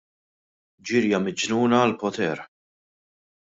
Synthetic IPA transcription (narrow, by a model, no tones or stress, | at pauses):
d͡ʒɪɾjɐmɪd͡ʒnuːnɐːlpɔt̪ɛːɾ